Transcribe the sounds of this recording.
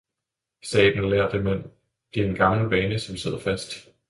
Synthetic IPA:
sɛːb̥n̩læɐ̰d̥əmen | d̥eæɐe̝nɡ̥ɑ̈ml̩ʋɛːnəsɒ̽mse̝ð̞̰ˠɐfæsd̥

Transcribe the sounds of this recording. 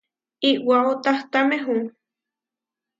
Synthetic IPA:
iʔwaot̪aht̪ameɦu

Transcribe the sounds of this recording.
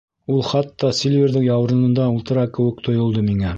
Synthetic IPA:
ulˠχɑt̪ːɑsʲelʲvʲeɾðɘŋjɑwɾɤ̆nɤ̆nd̪ɑulˠt̪ɤ̆ɾɑkɘ̆wɘ̆kt̪ŏjŏlˠd̪ɤmiŋæ

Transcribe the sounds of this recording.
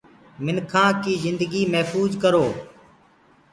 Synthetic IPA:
mɪnkʰãːkiːzɪnd̪əɡiːmɛɦfuːzkəɾoː

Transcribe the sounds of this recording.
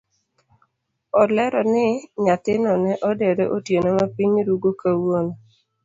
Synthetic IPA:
ɔlɛɾɔnɪɲat̪ɪnɔnɛʔɔdeɾeʔotjenɔmapiɲɾuɡokawon

